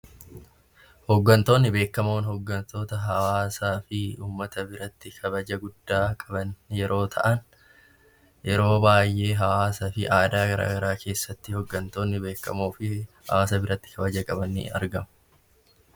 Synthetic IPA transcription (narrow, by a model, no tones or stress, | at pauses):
hɔɡːɐnt̪o̞ːnːɪbe̞ːkːɐmo̞ːnɦhɔɡːɐnt̪o̞ːt̪ɐɦɐwaːsaːfɪuːmːɐt̪ɐbɪɾɐt̪ːɪkʰɐbɐd͡ʒɐɡʊd̪̥ːaːkʼɐbɐnjɛɾʔo̞ːt̪ʰɐ̰ʔɐn | jɛɾo̞ːbaːjːʔe̞ːɦɐwaːsɐfɪʔaːd̪aːɡɐɾa̰ːɡɐɾaːkʰe̞ːsːɐt̪ːɪhɔɡːɐnt̪o̞ːnːɪbe̞ːkːɐmoːfɪhɐ̰waːsɐbɪɾɐt̪ːɪ̥kʰɐbɐd͡ʒɐkʼɐbɐnːḭɐ̰ɾɡɐmɐ